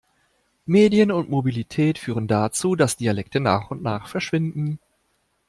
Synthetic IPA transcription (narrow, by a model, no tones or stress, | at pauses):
meːdjənʊntmobilitʰɛːtfyːʁ̞əndat͡suːdasd̥ialɛktənaːχʊntnaːχfɛɐʃv̥ɪndn̩